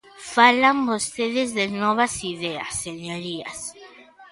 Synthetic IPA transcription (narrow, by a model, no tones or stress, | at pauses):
falambost̪eðezðenoβasiðea̰sːeɲoɾia̰s